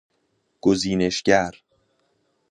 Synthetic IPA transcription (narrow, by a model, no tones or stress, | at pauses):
ɡ̥oziːne̞ʃɟæɾ